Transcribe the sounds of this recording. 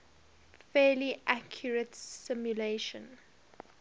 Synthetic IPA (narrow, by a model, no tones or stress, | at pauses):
fɛːliʔakʰjəɹətsɪmjuleʃə̃n